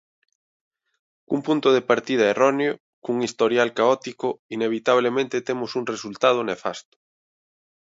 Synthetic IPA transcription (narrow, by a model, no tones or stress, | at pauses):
kumpunt̪oð̞epaɾt̪ið̞aerɔneo | kuŋist̪oɾjalkaɔt̪ikoineβ̞it̪aβlemẽnt̪et̪emosuŋresult̪að̞onefa̰st̪o̥